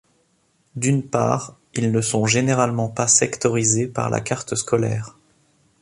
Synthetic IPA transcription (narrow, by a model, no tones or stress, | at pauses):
d̪ynpa̰ːʁ | ilnəsɔ̃ʒeneʁalmɑ̃pasɛkt̪ɔʁizepa̰ʁlʔa̰kaʁt̪əskɔlɛ̰ːʁ